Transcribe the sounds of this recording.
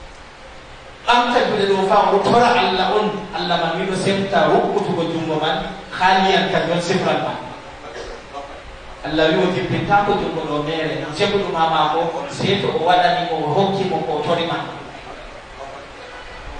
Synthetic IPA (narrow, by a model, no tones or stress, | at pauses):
ʔamtad͡ʒuɗɛɗɔfaʔɔtʰɔɾaʔalːaɔnʔalːamanwiɗɔsemtawukːutukɔd͡ʒumbɔmanxalijankadiɔnsimɾalma̰n | ʔalːawiwɔd͡ʒibitakɔd͡ʒumbɔɗɔmɛɾɛnɔt͡ʃeɓuɗumamakɔsɛtɔɔwaɗanikɔɦokːimɔkɔtoɾiman